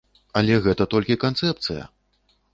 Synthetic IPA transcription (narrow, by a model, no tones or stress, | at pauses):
ɐlʲɛɣɛt̪ɐt̪ɔlʲkʲikant̪sɛp̚t̪sɨjɐ̰